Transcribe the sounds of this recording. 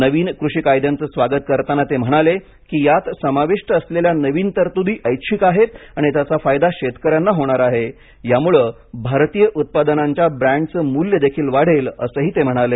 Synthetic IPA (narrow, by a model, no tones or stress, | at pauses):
nəʋiːnkɾuɕikajd̪ʱjant͡səːsʋaɡət̪̚kəɾt̪anat̪em̤əɽ̃ale | kiːjat̪səmaʋiʂʈəəsleljanəʋiːnt̪əɾt̪ud̪ʱiːʔəjkɕikaɦet̪aɽ̃it̪jat͡safajd̪aɕet̪kəɾjanːaɦoɽ̃aɾaɦe | jamuɭəː | bʱaɾt̪iːjəʔut̪̚pad̪ənaɲt͡ɕjabɾæɳɖt͡səmuljəd̪ekʰiːlʋaɽ̤elə̰səːɦiːt̪em̤əɽ̃ale